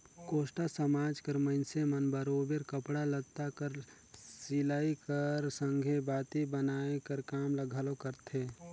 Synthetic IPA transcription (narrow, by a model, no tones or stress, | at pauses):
koːʃʈasəmaːd͡ʒkəɾmənsemənbəɾoːbeɾkəpɽalət̪ːakəɾ | silaːikəɾsə̃ŋɡʱebaːt̪ibənaːekəɾkaːmləɡʱaːlokəɾt̪ʰeː